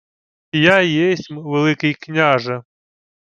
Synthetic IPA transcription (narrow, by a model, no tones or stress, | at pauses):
jajesʲmʋelˠɪkɪjknʲaʒɐ